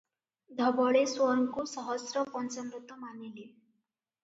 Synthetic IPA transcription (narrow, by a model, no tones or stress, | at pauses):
d̪ʱɔbɔɭeswɔɾŋkusʌɦɔsɾɔpɔnt͡sɔmɾut̪ːɔmanile